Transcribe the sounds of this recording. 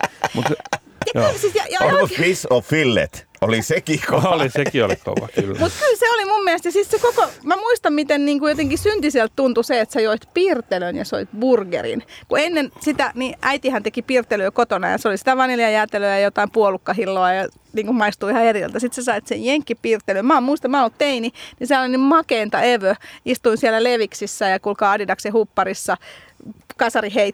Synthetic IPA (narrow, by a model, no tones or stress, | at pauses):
mut̪ | jɑylsit̪jɑjɑpisoʋfilːḛt̪ | olisekikolisekio̰liko̰ʋɑ̰kylːmut̪kylseolimumːiæst̪jɑsit̪sekokomæmuist̪ɑmmit̪enniːŋkujot̪eŋkisynt̪isiælt̪t̪unt̪useet̪sejoit̪piːrt̪elønjɑ̰soit̪burɡḛrḭnkuenːensit̪æniʔæit̪ihænt̪ekipiːrt̪ːˑelyøkot̪onɑ̰jɑ̰seolisit̪æʋɑneliɑjæːt̪eløjɑjot̪ɑimpuolukːɑhilːoɑjɑ | niːŋkummɑist̪uːihɑerilt̪æsit̪sesɑit̪sejjeŋkːipiːrt̪ːelømmɑːmmuist̪ɑmæɑːnolt̪t̪eininiseɑlːɑnimmɑkeːnt̪ɑeʋøist̪uinsielæleʋiksisːæjɑkulkɑɑdidɑksehupːɑrisːɑ | kɑsɑriheit̪